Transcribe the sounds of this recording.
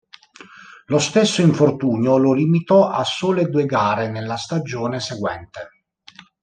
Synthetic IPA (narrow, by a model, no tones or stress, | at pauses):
lost̪esːoiɱfort̪uːnjololimit̪ɔʔasːoːled̪ueɡaːɾenelːast̪ad͡ʒoːneseɡwɛ̰nt̪e